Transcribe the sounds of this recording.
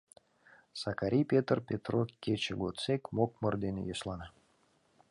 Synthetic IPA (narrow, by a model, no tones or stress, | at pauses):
sakaɾʲijpʲet̪rpʲet̪rokʲːet͡ɕeɡot̪t͡sekmokmərd̪enʲḛjoslˠɑnə